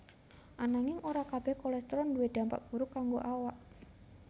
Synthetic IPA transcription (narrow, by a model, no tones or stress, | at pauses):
ʔanaŋɪŋoɾakab̥ɛhkolɛst̪ɾɔnduwed̪̥a̤mpa̰ʔb̥uɾʊkːaŋɡoʔawaʔ